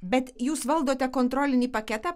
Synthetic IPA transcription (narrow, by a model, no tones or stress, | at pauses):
bʲɛt̪juːsʋɐlˠd̪oːt̪ʲɛkoːnt̪ɾoːlʲɪnʲiːpɐkʲɛt̪ɑː